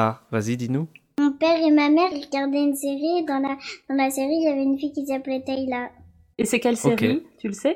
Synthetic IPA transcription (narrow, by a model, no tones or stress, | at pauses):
avazid̪inumɔ̃pɛʁemamɛʁiʁəɡaʁd̪ɛynseʁid̪ɑ̃lad̪̥ɑ̃laseʁiːljavɛynfijkʲisiaplɛt̪ɛila | esɛkʲɛlsoeʁkeit̪yləsɛ